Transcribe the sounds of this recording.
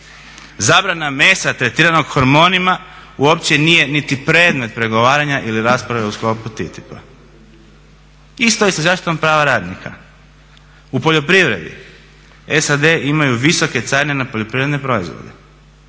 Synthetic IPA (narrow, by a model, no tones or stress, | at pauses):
zaːbɾaname̞ːsat̪ɾet̪iːɾano̞ɡxoɾmo̞ːnimauo̞pt͡ɕe̞nije̞nit̪ipɾe̞ːd̪me̞t̪̚pɾe̞ɡo̞ʋaːɾaɲaʔiliɾaːspɾaʋe̞usklo̞put̪it̪ipa | ist̪ojesazaːʃt̪ʋampɾaːʋaɾaːd̪nikʰa̰ | upo̞ʎo̞pɾiʋɾe̞d̪ḭ | esad̪e̞ʔimajuʋiso̞ke̞t̪saːɾne̞napo̞ʎo̞pɾiʋɾed̪nepɾo̞izʋo̰d̪ḛ